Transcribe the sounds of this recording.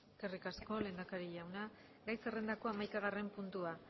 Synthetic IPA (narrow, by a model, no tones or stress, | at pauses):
skerikasko̞le̞ːnd̪akaɾiʎawna | ɡajse̞re̞nd̪ako̞amajkaɣ̞are̞mpunt̪ua